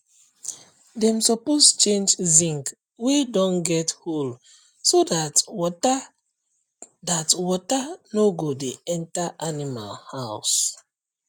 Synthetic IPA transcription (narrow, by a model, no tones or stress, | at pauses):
dɛ̃msɔpost͡ʃẽnd͡ʒzĩŋk | wedɔ̃nɡɛthol | sodat | datwɔtanoɡodeɛ̃ntaʔanima̰lhaʊs